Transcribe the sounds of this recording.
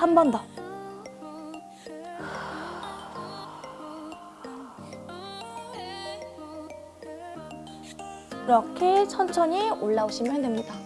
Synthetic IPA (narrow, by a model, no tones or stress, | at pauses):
hambʌndʌ | ɾʌkʰe̞t͡ɕʰʌnt͡ɕʰʌɲioɭːaoɕʰiməɭɦendwɯmɲida